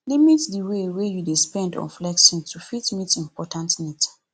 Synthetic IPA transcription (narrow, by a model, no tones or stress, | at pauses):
limitdiwewejudespɛ̃ndɔ̰̃nflɛkʃɔ̃ntufitmitĩmpʰɔtãntnit